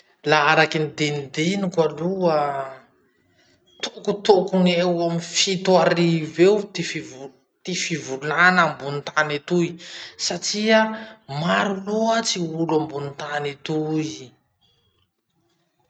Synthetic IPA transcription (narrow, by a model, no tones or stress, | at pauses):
laaɾakinid̪enid̪enikaluə | t̪okut̪okunewamifit̪waɾivewt̪efiv | t̪efivulanambunit̪anet̪uisaʈ͡ʂiamaɾuloat͡siulambunit̪anet̪uji